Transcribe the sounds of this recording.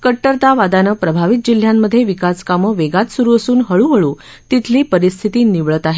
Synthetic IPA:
kəʈːəɾt̪aʋad̪anəːpɾəbʱaʋit̪̚d͡ʑil̤jamːəd̪ʱːjeʋikaskaməʋeɡat̪suɾuːəsuːnɦəɭuːɦəɭuː | t̪it̪ʰliːpəɾist̪ʰit̪iːniʋɭət̪aɦe

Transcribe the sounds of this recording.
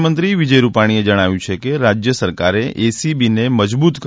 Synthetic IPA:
mənt̪ɾiʋid͡ʒəjɾupaɽ̃ied͡ʒəɽ̃aʋjũt͡ʃʰekeɾad͡ʒjəsəɾkaɾeʔesibineməd͡ʒbut̪k

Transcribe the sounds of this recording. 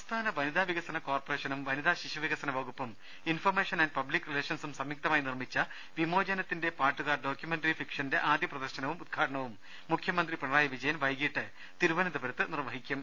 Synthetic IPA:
ɐst̪ʰaːnɐʋɐnid̪aːʋiɣɐsɐnɐkoːrporeːʂɐnumʋɐnid̪aːɕiʂɐʋiɣɐsɐnɐʋɐɣupːɐm | informeːʂɐnɐnɖpɐblikːrile̞ːʂɐnsumsɐmjik̚t̪ɐmaːjinirmit͡ɕːɐ | ʋimo̞ːd͡ʑɐnɐt̪ːinde̞paːʈːuɣaːrɖoːkʲjumenʈɐɾifikʂɐnde̞ʔaːd̪jɐprɐd̪ɐrɕɐnɐʋumud̪̚ɡʰʱaːʈɐɳɐʋumː | ukʰjɐmɐnd̪ripɐɳɐlaːjɐʋid͡ʑɐjɐmʋɐjɡiːʈːɨ | t̪iɾuʋɐnɐd̪ɐbɐɾɐt̪ːɨnirʋɐɦikʲːum

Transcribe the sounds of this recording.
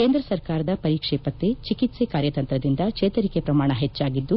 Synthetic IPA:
keːnd̪ɾɐsɐɾkaːɾɐd̪ɐpɐɾiːkʂɛːpɐt̪ːet͡ʃikit̪sekaːɾjɐt̪ɐnt̪ɾɐd̪ind̪ɐkt͡ʃeːt̪ɐɾikepɾɐmaːɳɐɦet͡ʃːaːɡid̪ːu

